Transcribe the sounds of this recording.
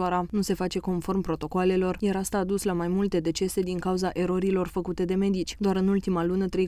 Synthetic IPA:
aɾanuse̞fat͡ʃe̞ko̞nfo̞rmpɾo̞t̪o̞koale̞lo̞rjaɾast̪aːd̪uslamajmult̪e̞d̪e̞t͡ʃe̞se̞d̪iŋkauzaʔe̞ɾo̞ɾilo̞rfəkut̪e̞d̪e̞me̞d̪it͡ʃʲd̪oaɾɨnult̪imalunət̪ɾe̞j

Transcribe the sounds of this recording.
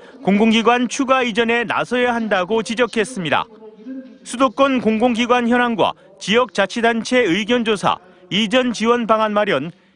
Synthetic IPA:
koŋɡoŋɡiɡwant͡ɕʰuɡaid͡ʑʌne̞na̰sʰʌjaɦandaɡot͡ɕid͡ʑʌkʰe̞s͈ɯmɲida̰ | sʰudok͈ʌnkoŋɡoŋɡiɡwançjʌnɦanɡwa̰ | t͡ɕiʌk̚t͡ɕ͈at͡ɕʰidant͡ɕʰe̞ɯɡjʌnd͡ʑosʰa̰ | id͡ʑʌnt͡ɕiwʌnbaŋanmaɾjʌn

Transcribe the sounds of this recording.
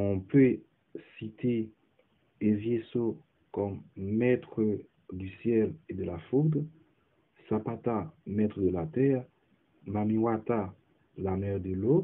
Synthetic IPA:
ɔ̃pø | sit̪e | evjeso | kɔmːɛt̪χə | d̪ysjɛled̪əlafud̪ʁ | sapat̪amɛt̪χəd̪əlat̪ɛʁ | mamiwat̪a | lamɛʁd̪əlo

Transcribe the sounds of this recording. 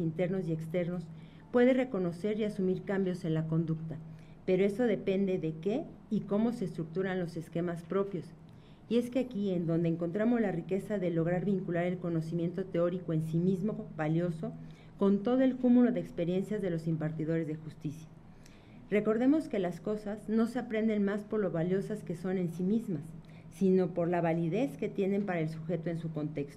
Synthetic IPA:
int̪e̞ɾno̞sje̞kst̪e̞ɾno̞s | pwe̞ðe̞re̞ko̞no̞se̞ɾiasumiɾkambjo̞se̞nlako̞nd̪ukt̪a | pe̞ɾo̞eso̞ðe̞pe̞nd̪e̞ðe̞ke̞ | iko̞mo̞se̞st̪ɾuk̚t̪uɾanlo̞se̞ske̞maspɾo̞pjo̞s | ie̞skeakie̞nd̪o̞nd̪eːŋko̞nt̪ɾamo̞zlarike̞saðe̞lo̞ɣ̞ɾaɾβiŋkulaɾe̞lko̞no̞simje̞nt̪o̞t̪e̞o̞ɾiko̞e̞nsimizmo̞βaljo̞so̞ | ko̞nt̪o̞ð̞o̞e̞lkumulo̞ðeːkspe̞ɾje̞nsjazðe̞lo̞simpaɾt̪ið̞o̞ɾe̞zðe̞xust̪isjḁ | re̞ko̞ɾðe̞mo̞ske̞lasko̞sazno̞seapɾe̞nd̪e̞nmaspo̞ɾlo̞βaljo̞saske̞so̞ne̞nsimizmasː | ino̞po̞ɾlaβaliðe̞ske̞t̪je̞ne̞mpaɾae̞lsuxe̞t̪o̞e̞nsuko̞nt̪e̞kst̪o

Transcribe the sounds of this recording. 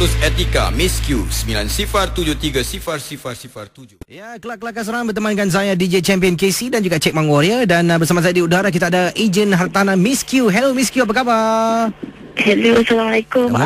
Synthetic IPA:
uset̪ika̰miskjussəmilansifart̪ud͡ʒʊht̪iɡasifarsifarsifart̪ud͡ʒʊjakəlaʔkəlakas̬oɾaŋbərt̪əmãnkansajadid͡ʒet͡ʃɛmpiənkesidand͡ʒuɡaʔt͡ʃɛk̚mãŋɡoɾiadanbərsamas̬ajadiudaɾak̬it̪aːdaʔid͡ʒənɦart̪anãmĩskjuɦɛlomiskjuap̬akapa | hɛlosalamalaekʊm

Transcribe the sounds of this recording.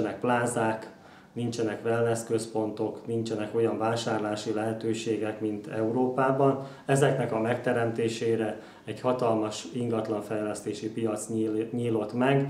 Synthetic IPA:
nɛk̚plaːzaːk | nint͡ʃɛnɛkʋɛlnɛskøspo̞nt̪o̞knint͡ʃɛnɛko̞jɒɱvaːʃaːrlaːʃilɛɦɛt̪øːʃeːɡɛkmint̪ɛuɾoːpaːbɒn | ɛzɛknɛkɒmɛkt̪ɛɾɛmt̪eːʃeːɾɛ | ɛɟhɒt̪ɒlmɒʃiŋɡɒt̪lɒɱfɛjlɛst̪eːʃipijɒt̪sɲiːlo̞t̪mɛɡ

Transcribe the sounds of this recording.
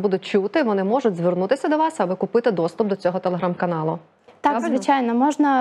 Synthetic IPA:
bud̪ʊt̚ʲt͡ʃut̪ɪʋɔnɪmɔʐʊtʲzʋɪrnut̪ɪsʲɐd̪ɔʋɑsɐbɪkʊpɪt̪ɪd̪ɔst̪ʊp̚d̪ɔt͡sʲɔɦɔt̪elˠeɦɾɑmkɐnɑlˠʊ | t̪ɑkzʋɪt͡ʃajnɔmɔʒnɐ

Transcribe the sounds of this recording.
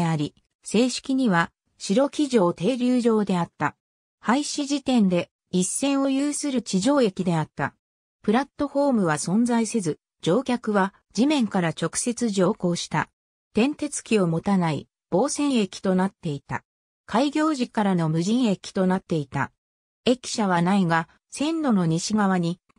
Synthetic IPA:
aɾʲi | se̞ːɕi̥kʲiɲ̟iβa | ɕiɾo̞kʲiʑo̞ːt̪e̞ːɾʲɨːʑo̞ːd̪e̞at̪ːa | haiɕiʑit̪ẽ̞nd̪e̞ | isːẽ̞ɰ̃o̞jɯːsɨɾɯ̟t͡ɕiʑo̞ːe̞kʲid̪e̞at̪ːa̰ | pɯ̟ɾat̪ːo̞ɸo̞ːmɯ̟βasõ̞nd͡zaise̞zɨ | d͡ʑo̞ːkʲakɯ̟βa | d͡ʑimẽ̞ŋkaɾat͡ɕo̞kɯ̟̥se̞t͡sɨʑo̞ːko̞ːɕi̥t̪a̰ | t̪ẽ̞nt̪e̞t͡sɨ̥kʲio̞mo̞t̪anaḭ | b̥o̞ːsẽ̞ɰ̃e̞kʲi̥t̪o̞nat̪ːe̞it̪a̰ | kaiɡʲo̞ːʑikaɾano̞mɯ̟ʑĩɰ̃e̞kʲi̥t̪o̞nat̪ːe̞it̪a̰ | e̞kʲi̥ɕaβ̞anaiɡa | sẽ̞nd̪o̞no̞ɲ̟iɕiɡaβ̞aɲ̟i

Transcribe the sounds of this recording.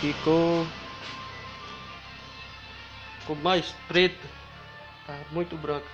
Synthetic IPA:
fiko | komajst̪ɾit̪ | amũj̃t̪ubɾɔk

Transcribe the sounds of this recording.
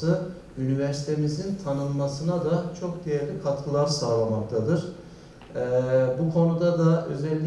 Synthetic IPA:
ɯ | ynivɛɾsi̥t̪ʰemizint̪ʰanɯnmasɯnad̪at͡ʃʰo̞kd̪ejɛɾʲikʰat̪ʰkʰɯlˠaɾsaːlˠamak̚t̪ʰad̪ɯɾ̥ | ɛbukʰo̞nud̪ad̪aø̞zɛlʲː

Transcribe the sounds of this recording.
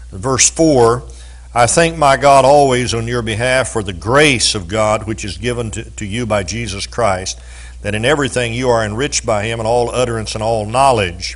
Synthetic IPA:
vɜ˞sfɔɹ | aɪθæ̃ŋk̚maɪɡɑɾɔlˠwizn̩jə˞bɨɦæfə˞ðɨɡɹeɪsʌvɡɑd̚wɨt͡ʃɨzɡɪvə̃nʰtʰɨjɨbaɪd͡ʒizɨskʰɹ̥aɪst̪̚ | ðɨɾɨ̃nɛvɹiθɪ̃ŋjɨə˞ɨ̃nɹɪt͡ʃb̥aɪɪ̃mə̃nɔlˠʌɾə˞ɨ̃nsə̃nɔlˠnɑlˠɪd̥ʒ̥

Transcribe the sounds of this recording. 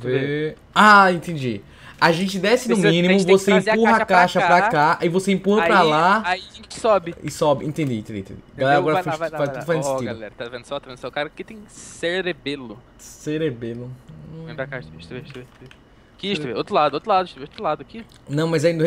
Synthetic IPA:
ve | aẽnt̪ẽd͡ʒi | aʒẽnt͡ʃɪd̪ɛsɪnʊmĩnĩmʊ̃voseẽppuɦɐakaʃɐppɾakaʔɪvoseĩpuhɐpɾalaaiẽt͡ʃɪ̥sɔbɪɪsɔbɪʔẽt̪ẽd͡ʒḭẽt̪ẽd͡ʒḭ̃t̪ḛ̃d͡ʒḭɡalɛɾɐaɡɔɾɐfeʃfazt̪udʊfaznʊsẽt͡ʃidaʊlɛ̰ɾɐt̪avẽnd̪ʊsɔt̪avẽd̪sɔkaɾɐkɪt̪ẽj̃seɾebelʊ | seɾebelʊẽbɾakaʃt̪eʃt̪beʃt̪eʃe | kɪiʃt̪uveot̪ɾʊlad̪ʊot̪ɾlad̪ʊiʃt̪uveot̪ɾlad̪ʊki | nɐ̃w̃mɐjzaĩd̪ʊ

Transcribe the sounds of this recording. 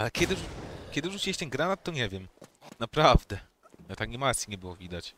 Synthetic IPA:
alɛkʲɛd̪ɘʂkʲɛd̪ɘʐut͡ɕeɕt̪ɛnɡɾanat̪ːɔɲevʲjɛmnapɾavd̪ɛ | nɛt̪akɲʲimat̪sʲiɲɛbɘwɔvʲid̪at͡ɕ

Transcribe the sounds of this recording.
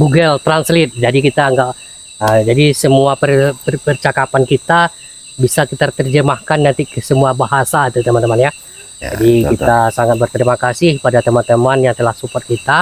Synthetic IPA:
ɡuɡəlt̪ɾanslɪt̪̚d͡ʒadikit̪aəŋɡaʔ | əmd͡ʒadisəmuapərpəpərt͡ʃakapankit̪a | bisakit̪at̪ərd͡ʒəmahkanːant̪ikəsəmuabaɦasait̪ut̪əmant̪əmanja | d͡ʒa̰dikit̪asaŋat̪̚bərt̪əɾimakasɪhpadat̪əmant̪əmanjaŋt̪əlahsupɔrt̪̚kit̪a

